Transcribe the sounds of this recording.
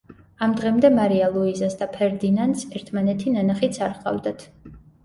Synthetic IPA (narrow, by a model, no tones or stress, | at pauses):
amd̪ʁɛmd̪ɛmaɾialˠuizasd̪apʰɛɾd̪inand̪sɛɾt̪ʰmanɛt̪ʰinanaχit̪sʰaɾqʼa̰vd̪at̪ʰ